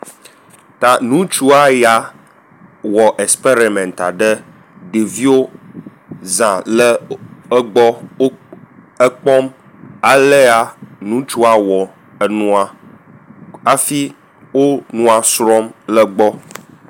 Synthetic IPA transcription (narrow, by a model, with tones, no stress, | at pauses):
t̪a˨nũ˦t͡ʃu˦a˦ja˦ | wɔ˨ʔɛ˨spe˦ɾi˨mɛ̃˨nt̪a̰˨ɖə˦ | ɖe˨vi˦o˦ | zã˨lə˦ə˦ɡ͡bɔ˦o˦ | ə˦k͡pɔ˦m | a˨le˦a˦nũ˦t͡ʃu˦a˦wɔ˨ | ə˨nũ˦a˨ | a˦fi˦ | wo˦nũ˦a˨sɾɔ˦mlə˦ɡ͡bɔ˦